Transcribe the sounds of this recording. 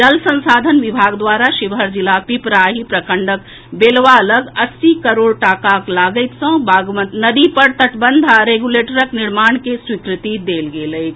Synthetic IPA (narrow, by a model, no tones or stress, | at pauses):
d͡ʒəlsə̃nsaːd̪ʱənʋɪbʱaːɡd̪waːɾaʃɪʋɦəɾd͡ʒɪlapipɾaːɦipɾəkəɳɖək | beːlʋaələɡɐsːikəɾoːɽʈaːkaklaːɡəɪt̪sə̃bʱaɡmə̃t̪nəd̪ipəɾt̪əʈbə̃nd̪ʱaɾeɡuleːʈəɾəknɪɾmaːɳkeswikɾɪt̪id̪eːlɡeːləɪt̪